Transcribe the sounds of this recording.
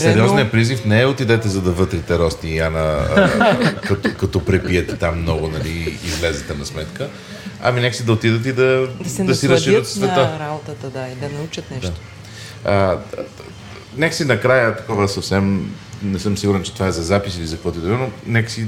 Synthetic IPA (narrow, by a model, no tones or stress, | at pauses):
sɛɾɾiɔznijɐpɾizifnɛɛot̪id̪ɛt̪ɛzɐd̪ɐvɤt̪ɾit̪ɛɾɔst̪ianə | kɐt̪ɔkɐt̪ɔpɾɛpijɛt̪ɛt̪amːnɔɡʊnɐliːzlɛzɛt̪ɛnɐsmɛt̪kə | ɐ̰minɛkə̥sid̪ɐot̪id̪ət̪̬id̪ɐd̪d̪ɐsiɾɐzʃiət̪fsvɛt̪əɾabot̪ət̪əd̪aid̪ɐnɐut͡ʃət̪nɛd̪at̪o̥ | ə | nɛkə̥sinɐkɾajət̪ɐ̥kɔvəsɐfsɛm | nɛsɤmsiɡʊɾɛnt͡ʃɛt̪ovaɛzɐzapisilizɐkvɔt̪id̪ubɾɛnonɛkə̥si